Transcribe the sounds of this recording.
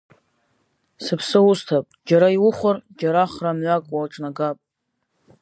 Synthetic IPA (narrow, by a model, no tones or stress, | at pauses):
sɨpʰsɨʊstʰapʼd͡ʒaɾaiwʊχʷʊrd͡ʒaɾaχramɥakʼwaʈ͡ʂʼnaɡapʼ